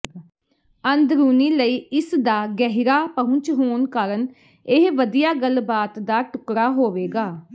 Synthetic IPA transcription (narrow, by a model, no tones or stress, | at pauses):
ənd̪ɾuːniːləiːɪsd̪aːɡɛɦɾaːpəɦʊ̃ɲt͡ʃɦoːnkaːɾən | ɪɦʋəd̪ijaːɡəlbaːt̪d̪aːʈʊkɾaːɦoːʋeːɡaː